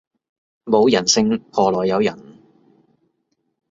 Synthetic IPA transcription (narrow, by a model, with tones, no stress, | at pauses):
mo˨˧wjɐ˨˩nsɪ˧ŋpʰɔː˧lɔː˨jːɐ˨˧wjɐ˨˩n